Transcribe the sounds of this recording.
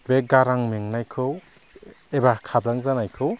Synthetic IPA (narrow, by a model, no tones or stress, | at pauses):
beɡaɾaŋmeŋnajkʰɯw | ebakʰabɾaŋzanajkʰɯw